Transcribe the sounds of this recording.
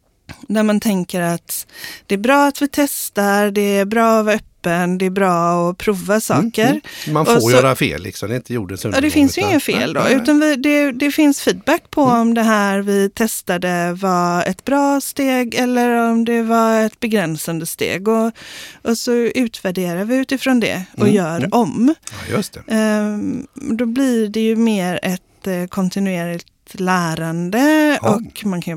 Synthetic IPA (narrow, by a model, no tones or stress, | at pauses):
d̪æɾmant̪ʰɛŋkəɾat̪d̪̥ɛːbɾɑːat̪vɪt̪ʰɛst̪aɾɖ̪ɛæɾbɾɑːɔvaɾœpːənd̪ɛːbɾɑːɔpʰɾuːvasɑ̰ːkəɾmanɔfojœːɾafḛːlːɪ̰ksɔmd̪ɛɪnt̪əjṵːɖəsɵjɑːd̪ɛfɪnssjɵɪŋːəfḛːld̪ɔ̰ʉ̟ːt̪anvɪd̪ɛd̪ɛfɪnsfiːd̪̚bækːpʰɔɔmd̪ɛɦæːɾvɪt̪ʰɛst̪ad̪əvaɛt̪bɾɑːst̪eːɡɛlːəɾɔmd̪ɛvaɛt̪bɛɡɾɛnsand̪əst̪ḛːɡɔʔɔsɔʉ̟ːt̪ʰvæɖeːɾavɪʉːt̪ɪfɾoːnd̪ɛ̰ɔjœːɾɔmj̪ | d̪ɔblɪɖɛjɵmeːɾɛt̪kʰɔnt̪ɪnʉeːɾlɪt̪læːɾand̪əɔkmankʰan